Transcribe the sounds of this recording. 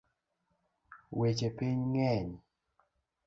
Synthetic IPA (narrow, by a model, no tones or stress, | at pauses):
wet͡ʃepiɲŋɛɲ